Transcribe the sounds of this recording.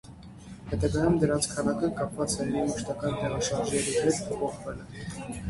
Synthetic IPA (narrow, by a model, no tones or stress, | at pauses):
hɛt̪ɑɡɑjumd̪əɾɑnt͡sʰkʰɑnɑkəkɑpvɑt͡sɛmiməʃt̪ɑkɑnt̪ɛʁɑʃɑɾʒnɛɾihɛt̪ʰəpʰɔχvɛlə